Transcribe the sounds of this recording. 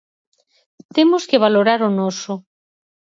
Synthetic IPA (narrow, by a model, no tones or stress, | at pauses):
t̪emoskeβ̞aloɾaɾonosʊ